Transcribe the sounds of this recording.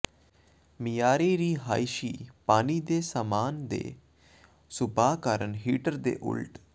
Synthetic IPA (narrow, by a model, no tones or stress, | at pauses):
mijaːɾeːɾiːɦaːiʃiːpaːniːd̪eːsamaːnd̪ḛː | sʊbaːkaːɾənɦiːʈəɾd̪ḛːʔʊ̰lʈ